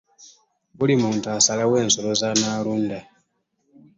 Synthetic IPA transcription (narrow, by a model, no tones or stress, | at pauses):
βulimuːntuasalawe̞ːnsolo̞zanaːluːnda